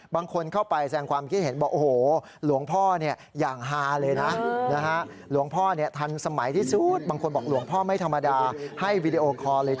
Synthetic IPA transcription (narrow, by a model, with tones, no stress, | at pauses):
baː˧ŋkʰo˧nkʰa˥˩wpa˧jsaɛː˧ŋkʰwaː˧mkʰi˦t̪̚he˩˦nwaː˥˩ʔoː˧˩hoː˨˩ | lu˨˩˦əŋpʰɔː˥˩ni˥˩ɐ | jaː˨˩ŋɦaː˧lɤː˧jna˦˥na˦˥kʰa˦˥ʔ | lu˩˦əŋpʰɔː˥˩ni˥˩ɐt̪ʰa˧nsa˧ma˩˦jt̪ʰiː˥˩su˨˦˩t̪̚baː˧ŋkʰo˧nbɔː˨˩k̚lu˩˦əŋpʰɔː˥˩ma˥˩jt̪ʰa˧mːa˧daː˧ha˥˩jwiː˧di˧ʔoː˧kʰɔː˧lɤː˧j